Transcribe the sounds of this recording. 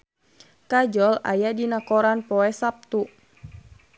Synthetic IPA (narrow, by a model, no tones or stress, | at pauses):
kad͡ʒɔla̰jadinakɔɾanpɔɛsap̚t̪u